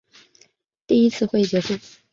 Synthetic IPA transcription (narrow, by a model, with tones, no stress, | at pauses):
t̪i˥˩i˥t͡sʰɹ̩˥˧xwe˥˩ɪt͡ɕɥɛ˧˥ʂu˥˩